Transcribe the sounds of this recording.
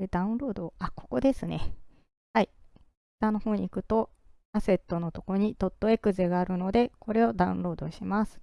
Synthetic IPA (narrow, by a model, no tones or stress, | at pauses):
ed̪aɯ̟̃ɴɾo̞ːd̪o̞ako̞̥ko̞d̪e̞sɨne̞ | hai̥ | t̪anːo̞ho̞ːɲ̟iːkɯ̟t̪o̞ | ase̞t̪ːo̞no̞t̪o̞koɾoɲ̟it̪o̞t̪ːo̞e̞kɯ̟ze̞ɡaːɾɯ̟no̞d̪e̞ko̞ɾe̞o̞d̪aɯ̟̰̃nɾo̞ːd̪o̞ɕimasɨ̥